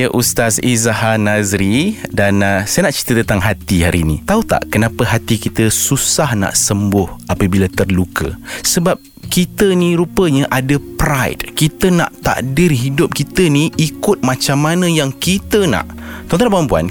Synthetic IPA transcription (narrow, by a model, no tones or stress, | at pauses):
jəʔust̪asizahanazɾidansajənaʔt͡ʃi̥t̪ət̪ənt̪aŋɦat̪iɦaɾinḭt̪aut̪a̰ʔkənãpəɦat̪ikit̪əsusahna̰ʔsəmbʊhapəbilat̪ərlukə̰səbap̚ | kit̪əniɾupəɲəʔadəpɾajtkit̪əna̰ʔt̪a̰ʔdɪrɦidʊp̚kit̪əniikʊt̪̚mãt͡ʃamːanə̃jaŋkit̪əna̰ʔt̪ɔnt̪ɔnpampua̰n